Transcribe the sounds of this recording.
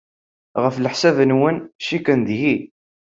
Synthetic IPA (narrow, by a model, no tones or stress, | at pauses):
ʁəfləħsævənwənʃikənd̪ji